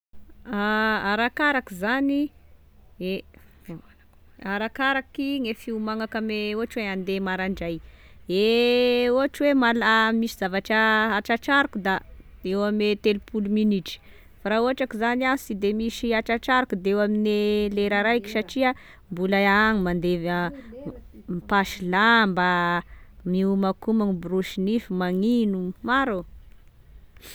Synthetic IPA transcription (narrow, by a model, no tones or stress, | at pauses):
aaɾakaɾakizani | e | a | k | aɾakaɾakiŋefiumaŋakameoaʈ͡ʂuweand̪emaɾaɳɖ͡ʐaj | e | oaʈ͡ʂwemalamisizavaʈ͡ʂaaʈ͡ʂaʈ͡ʂaɾukud̪aewamet̪elupuluminiʈ͡ʂi̥ | faɾauɦaʈ͡ʂakizaniasid̪emiʃiaʈ͡ʂaʈ͡ʂaɾukud̪eewamineleɾaɾajki̥saʈ͡ʂia | mbulaaaŋimand̪evə | mipaʃilamba | miumakumaŋibuɾuʃinifimaŋinumaɾo